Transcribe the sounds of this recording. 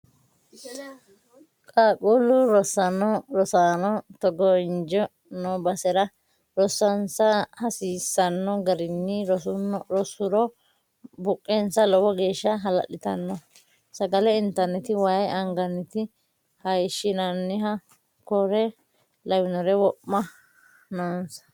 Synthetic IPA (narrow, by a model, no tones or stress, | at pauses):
kʼaːkʼuːlʊɾɔsɐnɔɾɔsaːnɔt̪ɔɡɔɪnd͡ʒɔ | nɔbɐsɛɾɐ | ɾɔsːɐnsɐhɐsiːsːɐnːɔɡɐɾɪnːɪ | ɾɔsʊɾɔ | bʊkʼːɛnsɐlɔwɔɡe̞ːʃːɐɦɐlɐ̰ɗɪt̪ɐnːɔ | sɐɡɐlɛɪnt̪ɐɾnːɛt̪ɪwaːjʔɐŋɡɐnːɛt̪ɪ | hɐjʃːɪnɐnːɪɦɐ | kɔɾɛ | lɐwɪnɔɾɛwɔpːɐ | naːnsɐ̥